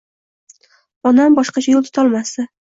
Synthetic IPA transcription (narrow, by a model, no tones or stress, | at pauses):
ɒnambɒʃqɑt͡ʃʰajolˠt̪ʰʊ̥t̪ʰɒlˠmast̪ɪ